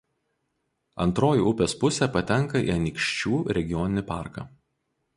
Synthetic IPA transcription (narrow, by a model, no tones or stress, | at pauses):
ɐ̰nˑt̪ɾoːjuʊpʲeːspʊsʲɛːpɐt̪ʲɛŋˑkɐḭɐnʲikʃʲt͡ʃʲuːɾʲɛɡʲɪjɔːnʲɪnʲɪpɑˑɾkɑ̰ː